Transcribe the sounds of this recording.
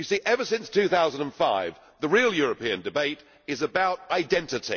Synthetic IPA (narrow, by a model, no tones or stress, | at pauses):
jɨsiʔɛvəsɪ̃nstʰʉθaʊzə̃ndə̃nfaɪv | ðəɹilˠjɔːɹəpiɨ̃ndɨbeɪt | ɪzəbaʊtaɪdɛ̃ntɨtḭ